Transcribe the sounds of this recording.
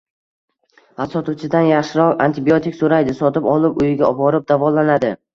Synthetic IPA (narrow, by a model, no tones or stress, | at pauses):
hasɒt̪ut͡ʃʰɪd̪anjaχʃɪɾɒqa̰nt̪ʰɪbiot̪ɪkʲsoɾajd̪ɪsɒt̪ɪpɒlˠɪpʊjɪɡʲaɒbɒɾɪp̚d̪avɒlˠanad̪ɪ